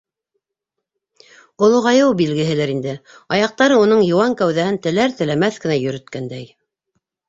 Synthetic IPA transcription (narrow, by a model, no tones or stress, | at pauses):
ŏlˠŏʁɑjɤwbilɡɘ̆ɦɘ̆læɾind̪ɘɑjɑq̚t̪ɑɾɤunɤɴjŏwɑŋkæwðæhɘnt̪ɘ̆læɾt̪ɘ̆læmæθkɘ̆næjɵ̆ɾɵ̆t̪̚kænd̪æj